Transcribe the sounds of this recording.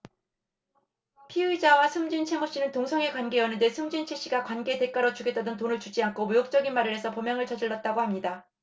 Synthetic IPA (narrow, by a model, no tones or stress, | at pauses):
pʰiɯid͡ʑawasʰɯmd͡ʑint͡ɕʰe̞moɕ͈inɯntoŋsʰʌŋekwanɡe̞jʌnɯnde̞sʰɯmd͡ʑint͡ɕʰe̞ɕ͈iɡakwanɡe̞de̞k͈aɾʌt͡ɕuɡet͈adɯntonɯɭt͡ɕud͡ʑiaŋkʰomujok̚t͡ɕ͈ʌɡinmaɾɯɾɦe̞sʰʌpʌmjʌŋɯɭt͡ɕʌd͡ʑiɭːʌt̚t͈aɡohamɲida